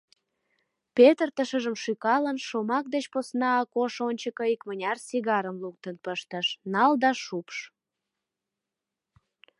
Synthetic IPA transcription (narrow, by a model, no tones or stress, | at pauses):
pet̪ərt̪əʃəʒəmʃykɑlənʃomɑk̚d̪et͡ɕposnɑːkoʃonʲt͡ɕəkəikmənʲɑrsiɣɑɾəmluk̚t̪ənpəʃt̪əʃnɑld̪ɑʃupʃ